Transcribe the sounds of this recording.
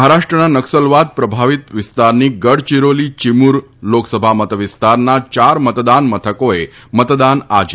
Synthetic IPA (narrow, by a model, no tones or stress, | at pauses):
ɦaɾaʃʈɾənanəksəlʋad̪̚pɾəbʱaʋit̪ʋɪst̪aɾniɡəɽt͡ʃiɾolit͡ʃimuɾ | loksəbʱamət̪əʋɪst̪aɾnat͡ʃaɾmət̪d̪anmət̪ʰəkoemət̪d̪anad͡ʒ